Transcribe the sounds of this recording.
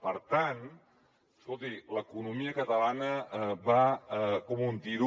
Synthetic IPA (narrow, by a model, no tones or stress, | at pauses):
pəɾt̪an | əskolˠt̪iləkunumiəkət̪əlanəβakɔmunt̪iɾu